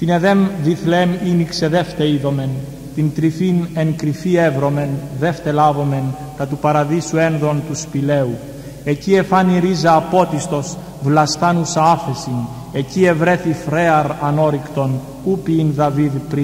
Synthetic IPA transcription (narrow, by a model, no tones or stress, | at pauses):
t̪ine̞ðe̞mviθleminikse̞ðe̞ft̪eiðo̞me̞n | t̪int̪ɾifineŋkɾifie̞vɾo̞me̞nðe̞ft̪e̞lavo̞me̞n | k̪ɐt̪upɐɾɐðisue̞nðo̞nt̪uspile̞u | e̞cie̞fɐniɾizɐːpo̞t̪ist̪o̞s | vlɐst̪ɐnusɐafe̞sin | e̞cie̞vɾe̞θifɾe̞ɐɾɐno̞ɾikt̪o̞n | upiːnðɐviðpɾi